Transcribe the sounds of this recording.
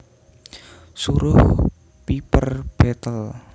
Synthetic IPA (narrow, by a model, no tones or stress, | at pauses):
suɾʊh | pipərb̥et̪əl